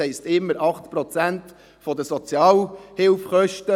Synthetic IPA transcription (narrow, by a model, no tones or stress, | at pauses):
ɛɪstɪmːəɾɑχt̪pɾɔt͡sænt | fɔdəsɔt͡sjɑːlhɪlfχœʃtə